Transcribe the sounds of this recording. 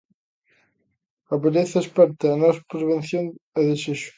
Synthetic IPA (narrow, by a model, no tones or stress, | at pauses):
ɐβeleθɐespɛɾt̪eɐnɔspɾeβ̞enθjoŋeðeseʃʊ̥